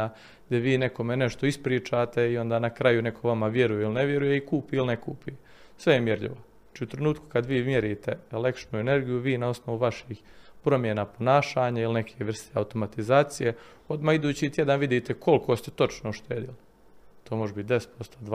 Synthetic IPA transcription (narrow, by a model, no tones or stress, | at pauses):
a | ɡd̪eʋiːne̞ko̞mene̞ʃt̪o̞ispɾiːt͡ʃat̪e̞io̞nd̪aːnakɾajune̞kʰo̞ʋamaʋje̞ɾujeilneʋje̞ɾujeikuːpiilnekuːpie | sʋe̞jemjeɾʎḭʋo̞ | at͡ʃiːut̪ɾe̞nuːt̪ku̥kad̪ʋiːmjeɾiːt̪e̞elekt͡ʃnuene̞ɾɡijuʋiːnao̞sno̞ʋuʋaʃixpɾo̞mjenapo̞naːʃaːɲailine̞kʰeːʋr̩st̪ea̰ut̪o̞mat̪izaːt̪sije | o̞d̪maːid̪uːt͡ɕit̪je̞d̪anʋid̪it̪ekʰo̞lkʰo̞ːst̪et̪o̞t͡ʃnoʃt̪eːd̪ili | t̪oːmo̞ʒebit̪̚d̪es̚pʰo̞st̪oːd̪